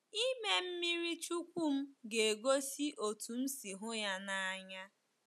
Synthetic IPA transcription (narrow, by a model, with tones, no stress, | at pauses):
i˦me˦m̩˦mi˦ɾi˦t͡ʃu˦kʷu˦m̩˦ɡe˨e˨ɡo˦si˦ʔo˨tu˨m̩˦si˨ɦʊ˦ja˦na˦a˦ɲa˦